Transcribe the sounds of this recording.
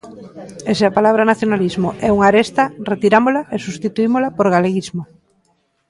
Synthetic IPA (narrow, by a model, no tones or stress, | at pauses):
eseapalaβ̞ɾanaθjonalizmoʔɛuŋaɾest̪ɐret̪iɾamolaʔesust̪it̪uimolapoɾɣaleɣizmo